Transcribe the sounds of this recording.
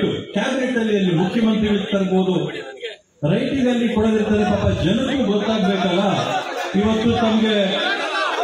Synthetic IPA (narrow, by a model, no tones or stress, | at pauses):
ʈukaːɡɾeʈːɐlːijɐlːimukʰjɐmɐnt̪ɾiɡɭist̪ːɐɾboːd̪u | ɾɐjʈiɡɐlːikɔɽɐd̪iɾt̪ɐɾepaːpːɐd͡ʒɐnɐɾuːɡɔt̪ːaːɡbeːkɐlːɐiʋɐt̪ːut̪ɐmɐɡe̞